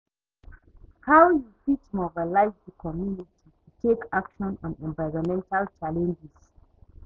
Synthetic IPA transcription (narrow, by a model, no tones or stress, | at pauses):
hawjufitmɔbalaɪzðəkʰɔmjunitʰitutʰekʰakʃɔ̃nɔ̃nɛ̃nvaɪɹɔ̃mɛ̃ntalt͡ʃalɛ̃nd͡ʒɛs